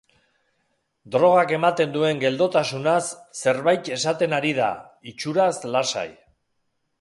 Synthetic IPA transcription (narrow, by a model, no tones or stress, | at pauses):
d̪ɾo̞ɣ̞ake̞mat̪e̞nd̪ue̞ŋɡe̞ld̪o̞t̪asunasːe̞ɾβajt̪e̞sat̪e̞naɾið̞a̰it͡ʃuɾaslasa̰j